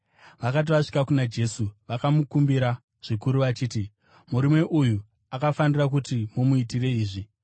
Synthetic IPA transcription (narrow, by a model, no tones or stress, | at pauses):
ʋakat̬iʋaʂi̥kakunad͡ʒe̞suʋakamukumbiɾa | ʐ̥ikuɾuʋat͡ʃiːti | muɾimwe̞ʔuju | akafanirakutimumuitire̞iːʐi